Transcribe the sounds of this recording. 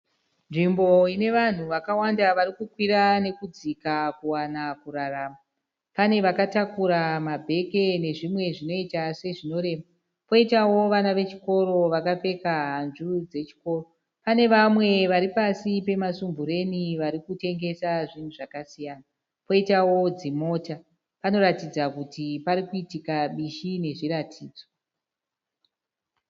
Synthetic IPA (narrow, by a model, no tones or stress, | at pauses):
nʐimbo̞ine̞ʋan̤uʋakawandaʋaɾikukwiɾane̞kud͡zikakuwanakuraraːma | pane̞ʋakatakuɾamabʱe̞ke̞ne̞ʐimwe̞ʐino̞itase̞ʐino̞ɾe̞ːma | po̞itawo̞ʋanaʋe̞t͡ʃi̥ko̞ɾo̞ʋakafe̞kaɦanʐurud͡ze̞t͡ʃi̥ko̞ːro | pane̞ʋamwe̞ʋaɾipasipe̞masumbuɾe̞niʋaɾikute̞ŋɡe̞saʐin̤uʐakasijana | po̞itawo̞d͡zimo̞ːta | pano̞ɾatid͡zakutipaɾikuitikaɓiʃine̞ʐiratʰiːd͡zo